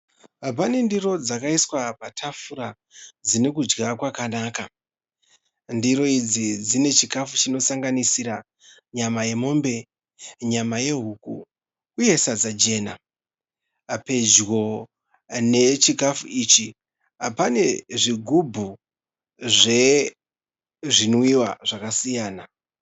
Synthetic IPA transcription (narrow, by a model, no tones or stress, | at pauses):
ɦap̬ane̞ndiro̞d͡zakaiswapatʰafuɾa | d͡zine̞kud͡ʒɡakwakanaːka | ndiɾo̞id͡zid͡zine̞t͡ʃikafut͡ʃino̞saŋɡanisiɾa | ɲamaje̞mo̞ːmbe̞ | ɲamaje̞ɦuːkṵ | kuje̞sad͡zad͡ʒe̞ːna | pe̞d͡ʒwo̞ | ne̞t͡ʃikafuiːt͡ʃi | apane̞ʐiɡʱubʱu | ʐe̞ | ʐinwiwaʐakasijaːna